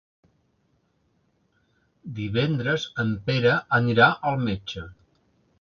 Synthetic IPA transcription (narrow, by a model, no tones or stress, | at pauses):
d̪iβɛnd̪ɾəzəmpeɾəʔəniɾaʔəlˠmed͡ʒə